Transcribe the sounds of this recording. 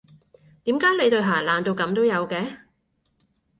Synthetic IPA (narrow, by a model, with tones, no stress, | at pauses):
t̪iː˨˥mkaː˨˥jle˨˧jt̪ɵ˧ɦaː˨˩laː˨nt̪o˧wkɐ˨˧mt̪o˥wjɐ˨˧wkɛː˨˧